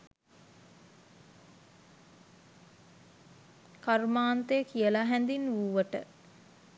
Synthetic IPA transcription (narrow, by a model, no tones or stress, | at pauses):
kaɾmaːnt̪əjəkijəlaɦɛnd̪inʋuʋəʈə̰